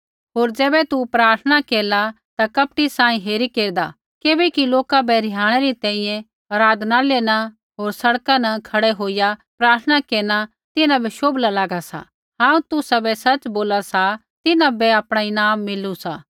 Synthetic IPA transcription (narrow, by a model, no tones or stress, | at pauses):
ɦoːɾd͡zɛːbɛt̪upɾaːɾt̪ʰəɽ̃akeːla | t̪akɐp̚ʈisãːĩɦeːɾikeːɾd̪a | keːbɛkiloːkabɛɾɪɦãːɽ̃ɛɾit̪ɛ̃ːĩjɛ̃ | ɐɾaːd̪ʱnaleːna | ɦoːɾsɐɽkãnɐkʰɐɽɛɦoːɪjapɾaːɾt̪ʰəɽ̃akeːɾña | t̪ɪnãbɛʃoːblalaːɡasa̰ | ɦãːũt̪ʊsabɛsɐt͡ʃboːlasa | t̪ɪnãbɛapɽ̃aɪnaːmːɪlusaː